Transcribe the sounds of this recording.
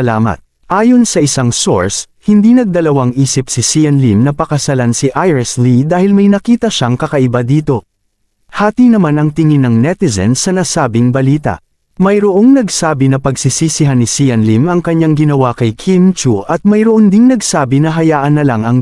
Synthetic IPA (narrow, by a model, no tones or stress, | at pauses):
laːmɐ̰t̪̚ | ʔaːjo̞nsɐʔɪsaŋso̞̰ɹs | hɪnd̪inɐɡ̚d̪ɐlɐwaŋʔiːsɪp̚sɪsiɐnlimnɐpɐkɐsɐlansiʔajɹɪslid̪aːhɪlmɐjnɐkiːt̪ɐʃaŋkɐkɐʔɪbad̪iːt̪o̞ | haːt̪inɐmanɐŋt̪ɪŋɪnːɐŋnɛt̪ɪzɛ̰nsɐnasaːbɪŋbɐliːt̪ɐ̰ʔ | mɐjɾoʔo̞ŋnɐɡsaːbinɐpɐɡsisisɪɦanɪsiɐnlimɐŋkɐɲːaŋɡɪnɐwakɐjkʰimt͡ʃuʔɐt̪̚mɐjɾoʔond̪ɪŋnɐɡsaːbinɐɦɐjaːʔɐnːɐlaŋɐŋ